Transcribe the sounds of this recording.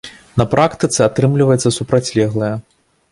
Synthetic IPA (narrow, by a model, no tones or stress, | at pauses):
nɐpɾakt̪ɨt̪sɨat̪ɾɨmlʲivɐjɛt̪sːɐsupɾat͡sʲlʲɛɣlˠɐjɐ